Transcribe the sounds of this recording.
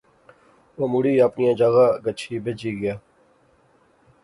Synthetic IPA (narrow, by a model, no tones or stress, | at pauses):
omuɽiːaːpnijãːd͡ʒaːɣaːɡət͡ʃʰiːbed͡ʒiːɡɪjaː